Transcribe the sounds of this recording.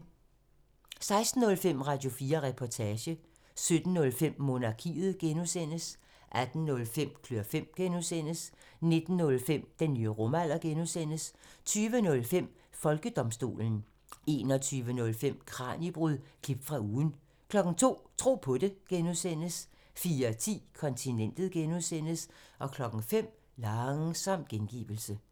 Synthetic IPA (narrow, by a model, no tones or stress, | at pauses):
sɑ̈ɪsd̥n̩ːɔ̽lfem̰ʁɑ̈d̥jo̝fiːɐʁɛpʰɒt͡sʰɛːɕə | sød̥n̩ːɔ̽lfem̰mo̝nɑ̈kʰḭːð̞̩ˠɡ̥enusen̰əs | ʔæd̥n̩ːɔ̽lfem̰kʰløɐfem̰ɡ̥enusen̰əsne̝d̥n̩ːɔ̽lfem̰d̥enːyːəʁɔmæl̰ɐɡ̥enusen̰əst͡sʰyːʋənɔ̽lfem̰ | fɒ̽lɡ̥əd̥ɒ̽msd̥o̝̰ːln̩ | e̝ːnɒ̽t͡sʰyːʋənɔ̽lfem̰kʰʁɑ̈ːnib̥ʁuð̰ˠkʰib̥̚d̥fʁɑ̈uːn̩ | kʰlɒ̽ɡ̥ŋ̩t͡sʰo̝̰ːt͡sʰʁo̝̰ːpʰɔ̽de̝ɡ̥enusen̰əs | fiːɐt͡sʰḭːkʰɒ̽nt͡sʰinen̰d̥ð̩ˠɡ̥enuðˠsen̰əsʔɒ̽kʰlɒ̽ɡ̥ŋ̩fem̰ | lɑŋsɒ̽m̰d̥̚ɡ̥enɡ̥ḭːb̥l̩sə